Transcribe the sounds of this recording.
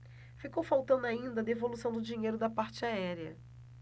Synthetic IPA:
fikowfawt̪ɐ̃nd̪ʊaĩnd̪ɐd̪evolusɐ̃w̃d̪ʊd͡ʒĩɲejɾʊd̪ɐpaɾt͡ʃɪaɛɾiɐ̰

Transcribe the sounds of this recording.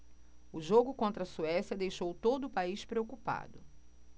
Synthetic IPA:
ʊʒoɡʊkõnt̪ɾɐsuɛsjɐd̪ejʃowt̪od̪ʊːpaiʃpɾeokupa̰d̪ʊ

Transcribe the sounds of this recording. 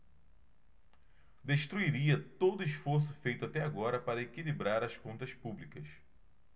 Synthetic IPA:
d̪eʃt̪ɾuiɾiɐt̪od̪ʊiʃfoɾs̬ʊ̥fejt̪ʊat̪ɛaɡɔɾɐpaɾɐekilibɾaɾɐskõnt̪ɐspublikɐs

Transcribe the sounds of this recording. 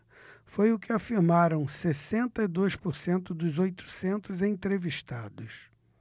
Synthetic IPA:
fojʊkɪafiɾmaɾɐ̃w̃sesẽnt̪ɐid̪ojspʊɾsẽnt̪ʊd̪ʊzojt̪ʊ̥sẽnt̪ʊzẽt̪ɾeviʃt̪ad̪ʊs

